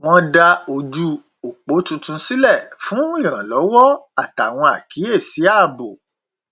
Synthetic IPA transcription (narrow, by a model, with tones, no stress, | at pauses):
w̃ɔ̃˧da˧o˧d͡ʒu˧ | o˨k͡po˨˦tũ˧tũ˧si˦lɛ˦˨fũ˨˦i˦˨ɾ̃ã˨lɔ˨˦wɔ˦a˦˨ta˨w̃ɔ̃˧a̰˨ki˨˦e˦˨si˨˦a˦˨bo˨